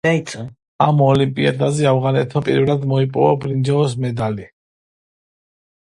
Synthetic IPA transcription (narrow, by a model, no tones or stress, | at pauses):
aisʼ | amɔlimpʼiad̪azɛavʁanɛt̪ʰmapʼḭɾvlad̪mɔipʼɔvabɾind͡ʒɛɔs̬mɛd̪ali